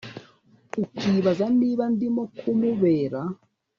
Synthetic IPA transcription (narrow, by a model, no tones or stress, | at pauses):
ukiːβazaniːβandimokʰumuβeːɾa